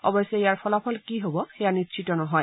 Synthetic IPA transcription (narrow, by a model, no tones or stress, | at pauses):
ɔ̰bɔjsɛijaɹpʰɔlapʰɔlkiɦobɔxejanitːsʰitɔnɔɦɔj